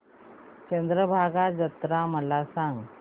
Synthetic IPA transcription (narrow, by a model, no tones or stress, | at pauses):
t͡ɕənd̪ɾəbʱaɡad͡zət̪ɾaməlasãŋɡ